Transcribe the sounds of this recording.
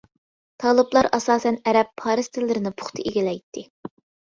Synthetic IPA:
t̪ʰɑːlˠɨblˠɑɾɑsɑːsɛnɛɾɛpʰːɑːɾɨst̪ʰɪlːɪɾɪnɪpʰʊ̥χt̪ʰɨeɡʲilɛjt̪ʰːɪ

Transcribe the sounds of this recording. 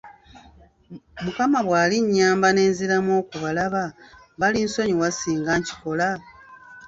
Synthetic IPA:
mukamaβwaːliɲːaːmbane̞ːnzilamo̞ːkuβalaβa | βalinso̞ɲiwasiːŋɡaɲci̥ko̞la

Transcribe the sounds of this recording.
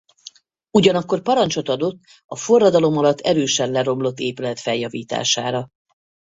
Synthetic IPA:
uɟɒnɒkːo̞rpɒɾɒnt͡ʃo̞t̪ɒd̪o̞t̪ː | ɒfo̞rːɒd̪ɒlo̞mɒlɒt̪ʰːɛ̰ɾøːʃɛnlɛɾo̞mlo̞t̪ːeːpylɛt̪fɛljɒviːt̪a̰ːʃa̰ːɾɒ

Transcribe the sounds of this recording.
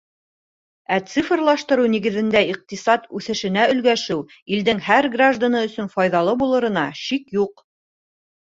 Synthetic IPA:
æt̪sɨfrlˠɑʃt̪ɤ̆ɾuniɡɘ̆ðɘ̆nd̪æiq̚t̪isɑt̪ʉθɘ̆ʃɘ̆næɵ̆lɡæʃɘw | ild̪ɘŋhæɾɡraʒd̪anɤɵ̆sɵnfɑjðɑlˠɤbulˠɤ̆ɾɤ̆nɑʃikjuq

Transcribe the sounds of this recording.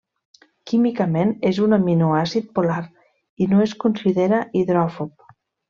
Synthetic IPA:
kimikəmenezunaminuasit̪̚polaɾ | inoeskunsiðeɾaʔiðɾɔfop̚

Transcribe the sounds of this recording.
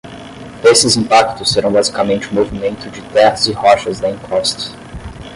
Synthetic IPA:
esɪzĩpakt̪ʊsːeɾɐ̃w̃bazikɐmẽnt͡ʃɪʊmovimẽnt̪ʊd͡ʒɪt̪ɛhɐzɪhɔʃɐzd̪ɐĩkʰɔst̪ɐ̥

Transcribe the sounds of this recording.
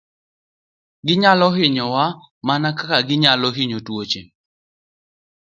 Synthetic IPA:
ɡɪɲalɔɦɪɲɔwa | manakakaɡɪɲalɔɦɪɲotwot͡ʃe

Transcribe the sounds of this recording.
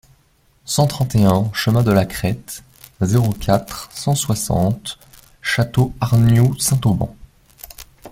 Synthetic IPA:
sɑ̃t̪χɑ̃t̪eɛ̃ʃəmɛ̃d̪əlakχɛt̪ | zeʁokʲʰat̪χsɑ̃swasɑ̰̃t̪ | ʃat̪oaʁnjosɛ̃t̪obɑ̰̃

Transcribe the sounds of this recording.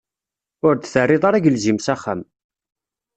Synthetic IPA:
ʊɾd̪θərːɪðˤaɾæɡəlzimsæχːæ̰m

